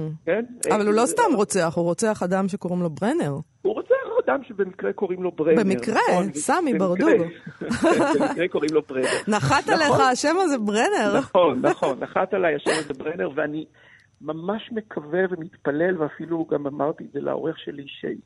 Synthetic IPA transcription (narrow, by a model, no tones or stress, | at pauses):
kenavalulo̞sstamʁo̞t͡seaχuʁot͡seaχadamʃe̞ko̞ʁimlo̞bʁene̞ʁhuʁot͡seaχad̪amʃebemikʁeko̞ʁimlo̞bʁebemikʁesamibaʁduɡ | eʁekoʁimlobʁenenaχat̪aleχaːʃemazebʁene̞ʁonːaχo̞nːaχat̪alajaʃemazebʁeneʁveani | mamaʃme̞kʰavevemit̪palelveafiluɡamamaʁt̪iːtzelʔa̰o̰ʁeχʃeliʃḛj